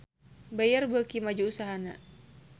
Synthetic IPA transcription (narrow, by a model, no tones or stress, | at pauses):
bajarbəkimad͡ʒuusaɦana